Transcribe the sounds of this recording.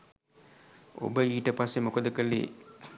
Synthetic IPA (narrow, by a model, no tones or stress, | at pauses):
o̰bəiːʈəpasːemokod̪əkəlːḛ